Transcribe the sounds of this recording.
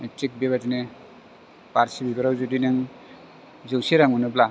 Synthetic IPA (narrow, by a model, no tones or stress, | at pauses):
etɾik̚beβatine | paɾsibibaɾawzudinɯŋ | zɯwsiɾaŋunɯbla